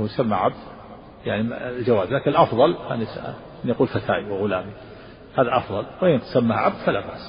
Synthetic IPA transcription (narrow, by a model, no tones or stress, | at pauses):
jsamːaʕab̚d̪ | jaʕnild͡ʒawaːzlaːkɪnɪlʔɑfðˤɑlha̰nisa̰ | nːjaquːlfat̪ʰa̰ːʔiwɪɣʊlaːmi | haːðaʔɑfðˤɑlwɪʔɪnsamːahʕa̰b̚d̪falabaʔs